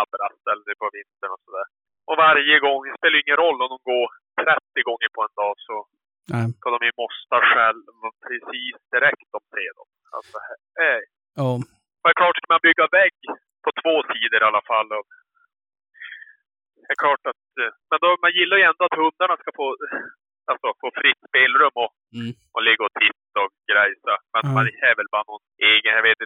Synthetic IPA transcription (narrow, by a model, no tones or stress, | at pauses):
abɾasɛlːəɾɛpʰɔvɪnt̪əɳɔsɔd̪æːɾ | ʔɔvaɾjəɡɔŋːɛspeːlajʏɪŋːənɾɔlːɔmd̪ɔmɡoːɾt̪ʰɾɛt̪ːɪɡɔŋːəɾpʰɔɛnd̪ɑːsɔ | skʰad̪ɔmjɵmɔst̪aɧɛlmpʰɾɛsiːsd̪ɪɾɛkt̪ɔmseːd̪ɔ̰m | a̰lt̪sɔhɛ | ɛ | ɔd̪ɛkʰlɑːʈskamanbʏɡːavɛɡ | pʰɔt̪ʰv̥oːsiːd̪əɾalːafalːɔv | d̪ɛkʰlɑːʈat̪mɛnd̪ɔmanjɪlːaɾjɵɛnd̪ɔat̪hɵnd̪aɳaskafoː | alsɔfoːfɾɪt̪ːspeːlɾɵmːɔ | ɔlɪɡːaɔt̪ʰɪt̪ːɔkɡɾɛjsamɛnmanɛːvɛlbɑːɾanɔneːɡənjaveːt̪ɪ